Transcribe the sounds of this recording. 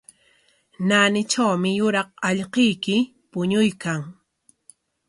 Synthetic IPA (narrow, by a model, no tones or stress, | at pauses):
naːnɪt͡ʃawmɪjʊɾɑqɑʎqejkɪ | pʊɲʊjkaŋ